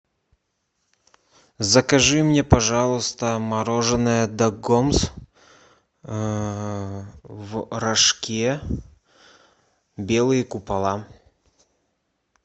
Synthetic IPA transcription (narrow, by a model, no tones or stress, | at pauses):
zɐkɐʐɨmnʲɛpɐʐɑlˠɨst̪əmɐɾoʐɨnɨjəd̪ɐɡoms | vrɐʂkʲe | bʲelˠɨjəkʊpɐlˠa